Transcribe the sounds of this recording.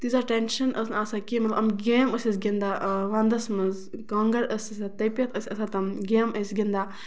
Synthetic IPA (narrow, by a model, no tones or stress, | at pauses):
t̪izaʈenʃɐnʔəsnaːsakimɐt̪lʔɐmɡeːməsʲɐsɡʲind̪aːʋand̪ɐsmɐz | kɐːŋɡɐɽəsisat̪ɐjpʲjɐt̪ʰəsʲɐsat̪ɐmɡeːmʔəsɡʲind̪aː